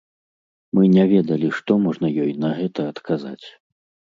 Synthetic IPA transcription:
mɨnʲɛvʲɛd̪ɐlʲiʂt̪ɔmɔʐnɐjɔjnɐɣɛt̪ɐːt̪kʰaza̰t͡sʲ

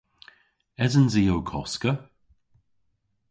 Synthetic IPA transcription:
ɛzənzijowkʰɔ̰skə

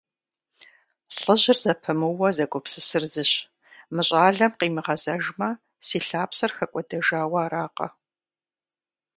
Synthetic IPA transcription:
ɬɨʑɪrzɐpʰɐmɨwɐzɐɡʷɔpsɨsɨrzɨɕ | mɨɕʼaːɮɐmqiːmɨʁɐzɐʒmɐ | siːɬaːpsɐrxɐkʷʼɔdɐʒaːwɐːraːqɐ̰

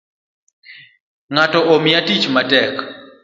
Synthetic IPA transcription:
ŋatɔʔomjatit͡ʃmatɛk

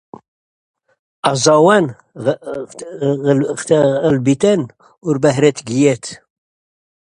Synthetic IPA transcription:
ɑzˤɑwæn | əlbit̪æn | ʊɾbæhɾæt̪ɡjɛt̪

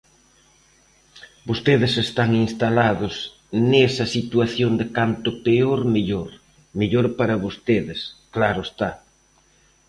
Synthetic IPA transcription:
bost̪eðɪsest̪aŋinst̪alaðʊs | nesɐsit̪wuaθjond̪ekant̪ʊpeoɾmeʎoɾ | meʎoɾpaɾɐβost̪eðɪsklaɾʊest̪a

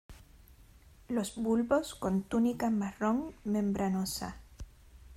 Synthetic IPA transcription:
lo̞sbulbo̞sko̞nt̪unikamaroŋmẽ̞mbɾanosa̰

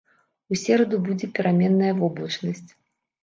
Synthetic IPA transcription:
usʲɛɾɐd̪ubud͡zʲɛpʲiɾamʲɛnːɐjɐvɔblˠɐt͡ʂnɐsʲt͡sʲ

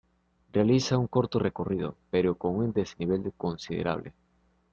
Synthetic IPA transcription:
realisauŋkoɾt̪orekorið̞o̰peɾokoŋund̪eseniβ̞eld̪konsiðḛɾʔa̰β̞lʔḛ

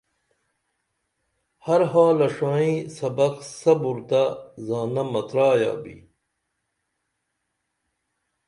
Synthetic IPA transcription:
hɐɾɦaːlɐʂaːĩːsɐbɐqsɐbuɾt̪azaːnɐmɐt̪ɾaːja̰ːbḭ

